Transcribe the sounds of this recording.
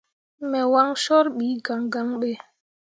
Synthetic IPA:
mɛ˨wa˦ŋsɔ˦ɾɓi˨˦ɡa˨ŋɡa˦ŋɓe˦

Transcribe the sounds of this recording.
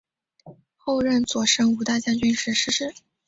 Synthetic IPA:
xo˥˧ʊɻə˥˩nt͡swɔ˨˩ʂə˥ŋu˧˥t̪a˥˧t͡ɕja˥˧ŋt͡ɕy˥˧nʂɻ̩˥˩ʂɻ̩˥ʂɻ̩˥˩

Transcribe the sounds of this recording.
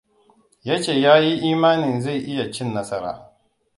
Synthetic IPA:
ja˦t͡ʃeː˨jaː˦ji˦ʔiː˦maː˦nɪ˨nza˦˨jʔɪ˦ja˨t͡ʃɪ˦˨nːɐ˦sɐ˦ɾa̰ː˨

